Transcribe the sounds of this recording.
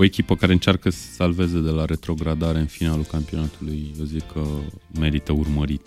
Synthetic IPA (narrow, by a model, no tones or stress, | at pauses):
oe̞kʲipəkaɾe̞ɨnt͡ʃarkəsə̥salve̞zed̪e̞laɾe̞t̪ɾo̞ɡɾad̪aɾe̞ɨnfinalulkampio̞nat̪ulujvəzikʰːəme̞ɾit̪əurməɾit̪